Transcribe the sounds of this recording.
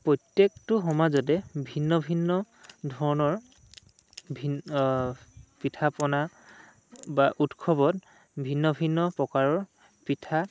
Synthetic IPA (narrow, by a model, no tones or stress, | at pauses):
pɹɔtjektʊɦɔmazɔt̬ɛbʱinːɔbʱinːɔ | dʱɔɹɔnɔɹ | bʱi | pitʰapɔna | baʔutkʰɔbɔt̚ | bʱinːɔbʱinːɔpɔkaɹɔɹ | pitʰa